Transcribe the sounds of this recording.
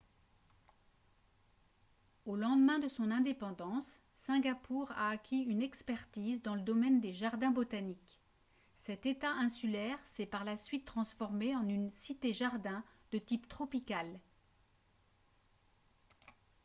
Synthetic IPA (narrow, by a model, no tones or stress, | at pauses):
olɑ̃d̪mɛ̃d̪əsɔ̃nɛ̃d̪epɑ̃d̪ɑ̃sː | ɛ̃ɡʲapuʁa̰ːkʲiynɛkspɛʁt̪izd̪ɑ̃ləd̪ɔmɛnd̪eʒaʁd̪ɛ̃bot̪anik | sɛt̪et̪aʔɛ̃sylɛʁsɛpaʁlasɥit̪ːχɑ̃sfɔʁmeɑ̃nynsit̪eʒaʁd̪ɛ̃d̪̥ət̪ipt̪χɔpikal